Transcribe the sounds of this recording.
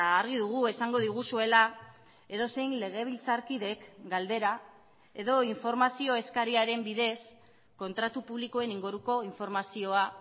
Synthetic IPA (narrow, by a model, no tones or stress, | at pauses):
ɾɣ̞iðuɣ̞ue̞saŋɡo̞ðiɣ̞usue̞la | e̞ðo̞se̞jnle̞ɣ̞e̞β̞ilt͡saɾkiðe̞kɡald̪e̞ɾa | e̞ðo̞iɱfo̞ɾmasio̞e̞skaɾiaɾe̞mbiðe̞s | ko̞nt̪ɾat̪upuβ̞liko̞e̞niŋɡuɾuko̞iɱfo̞ɾmasio̞a